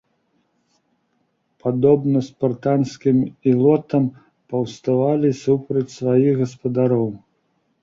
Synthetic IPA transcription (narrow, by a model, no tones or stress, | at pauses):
pad̪ɔbnɐspart̪anskʲimilˠɔt̪ɐm | pɐwst̪avalʲisupɾɐt͡sʲsvajiɣɣɐspɐd̪aɾɔw